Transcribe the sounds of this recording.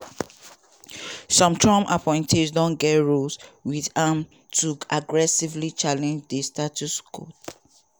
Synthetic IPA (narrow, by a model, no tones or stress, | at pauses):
sɔ̃mtʰɹɔ̃ma̰pʰɔ̃ɪ̃ntʰesdɔ̃nɡɛtɹoswiðãm | tʰuaɡɹɛsivlit͡ʃalɛ̃nd͡ʒdestat͡ʃuskʰo̰t